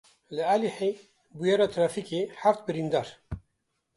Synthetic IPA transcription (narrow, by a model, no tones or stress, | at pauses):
lɨaliħe | bujɛɾɑt̪ʰɾɑːfikeħaft̪bɨɾind̪ɑːɾ